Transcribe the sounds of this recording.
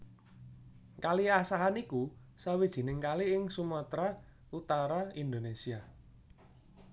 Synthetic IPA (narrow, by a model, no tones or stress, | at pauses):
kaliasaɦaniku | sawid̥ʒ̥i̤nɪŋkaliɪŋsumat̪ɾa | ut̪aɾaind̪onesia